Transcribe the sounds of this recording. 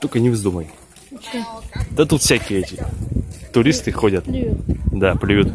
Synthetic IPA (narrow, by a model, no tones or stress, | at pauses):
t̪okənʲɪvzd̪uməj | d̪̥ɐt̪ut̪fsʲakʲɪjəɛtʲɪt̪ʊɾʲist̪ɨxodʲət̪d̪aplʲɪjut̪